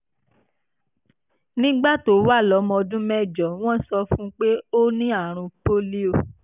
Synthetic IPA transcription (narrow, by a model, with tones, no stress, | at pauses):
nĩ˦ɡ͡ba˦˨to˨˦wa˦˨lɔ˨˦mɔ̃˧dũ˦mɛ˦˨d͡ʒɔ˨w̃ɔ̃˦sɔ˧fũ˦k͡pe˦o˦nĩ˦a˦˨ɾ̃ũ˧po˦li˦o˦˨